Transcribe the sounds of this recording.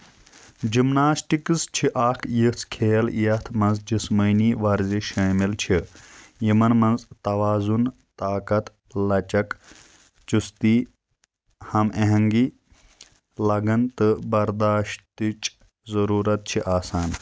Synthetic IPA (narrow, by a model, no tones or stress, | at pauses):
d͡ʒimnaːsʈikɨst͡ʃʰiʔaːkʰjit͡sʰkʰeːljɐt̪ʰmɐnzd͡ʒismɐniːʋɐɾziʃaːmilt͡ʃʰijimɐnmɐnzt̪ɐʋaːzun | t̪aːkɐt̪ | lɐt͡ʃɐk | t͡ʃust̪iː | hɐmeɦɐŋɡi | lɐɡɐnt̪ɨbɐɾd̪aːʃt̪it͡ʃ | zɐɾuːɾɐt̪̚t͡ʃʰiʔaːsaːn